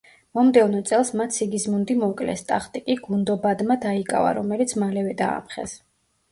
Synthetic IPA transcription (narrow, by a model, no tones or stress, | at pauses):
mɔmd̪ɛvnɔt̪sʼɛlˠsmat̪ʰsiɡismund̪imɔkʼlɛ̰st̪ʼaχt̪ʼikʼiɡund̪ɔbad̪mad̪aikʼa̰va̰ɾɔmɛlit̪sʰmalɛvɛd̪a̰ːmχɛ̰s